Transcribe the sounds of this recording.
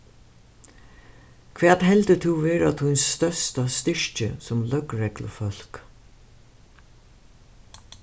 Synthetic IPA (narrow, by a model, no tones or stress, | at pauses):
kʰʋeːat̪hɛlt̪ət̪ʰuʋeːɹat̪ʰujnsːt̪œst̪ast̪ɪɹcə̰sʊmlœkɹɛklə̰fœl̥k